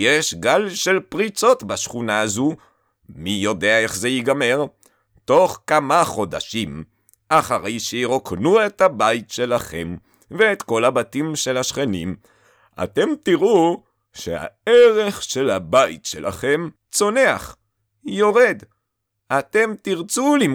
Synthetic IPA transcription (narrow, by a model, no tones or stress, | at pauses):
jeʃɡalʃe̞lpʁit͡so̞tbaʃχunaazu | mijo̞deaeχzejiɡame̞ʁ | to̞χkamaχo̞daʃim | ʔaχaʁejʃeiʁoknue̞t̪habajitʃe̞laχe̞m | veːt̪ko̞labatimʃe̞lhaʃχenim | a̰te̞mtiʁu | ʃeha̰eʁeχʃe̞labajḭtʃelʔa̰χe̞m | t͡so̞neaχ | jo̞ʁed | at̪e̞mt̪iʁt͡sulim